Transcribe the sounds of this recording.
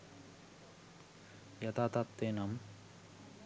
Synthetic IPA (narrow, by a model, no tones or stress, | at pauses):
jɐt̪ʰat̪at̪ːenɐm